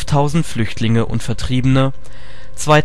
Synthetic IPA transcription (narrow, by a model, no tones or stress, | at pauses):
ftʰaʊzn̩tflʏçtʰlɪŋəʔʊ̰ntfɛɐtʁ̥iːbənə | t͡sv̥aɪ